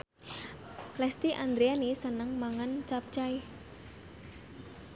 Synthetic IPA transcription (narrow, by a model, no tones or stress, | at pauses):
lɛst̪iʔand̪ɾeanisənəŋmaŋant͡ʃap̚t͡ʃaj